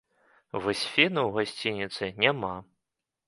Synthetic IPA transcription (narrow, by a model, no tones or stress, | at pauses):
vɔsʲfʲinuwɣasʲt͡sʲinʲit̪sɨnʲama